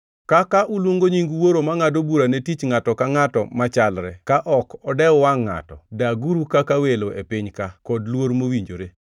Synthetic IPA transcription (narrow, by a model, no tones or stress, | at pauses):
kakaʔulwoŋɡoɲiŋɡwoɾomaŋadobuɾanetit͡ʃŋatɔkaŋatɔ̰mat͡ʃalɾɛ̰kaʔɔkɔdɛɔwaŋːa̰tɔ̰daɡuɾukakaweloʔepɪɲkakɔdlwoɾmowiɲd͡ʒoɾe